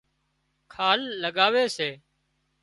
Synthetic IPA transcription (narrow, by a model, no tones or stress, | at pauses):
kʰaːlːəɠaːʋeːseː